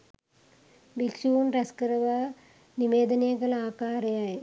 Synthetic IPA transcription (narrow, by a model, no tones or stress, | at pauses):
bilsunrɐskɾɐʋɐ | niʋeːd̪ɐnɐjɐɡɐlaːkaːɾɐjaːji